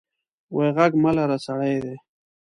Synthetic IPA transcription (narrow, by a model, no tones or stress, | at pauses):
wejɣaɡmalaɾat͡saɽajd̪e